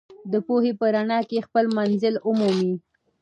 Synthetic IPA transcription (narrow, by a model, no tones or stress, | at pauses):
d̪əpohepəɾaɳɑkexpəlmanzəlʊmumi